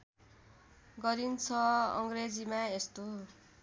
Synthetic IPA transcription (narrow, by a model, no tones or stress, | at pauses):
ɡʌɾint͡sʰʌʌ̰ŋɡred͡zimaest̪o